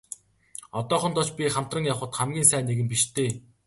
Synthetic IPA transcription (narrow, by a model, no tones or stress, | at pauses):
ɔt̪ɔːχɞ̆nt̪ɔt͡ɕpʲiχam̥t̪rə̆ŋjawχə̆t̪χamɡʲiːnsæːnːeɣɘ̆mpiʃt̪ʰeː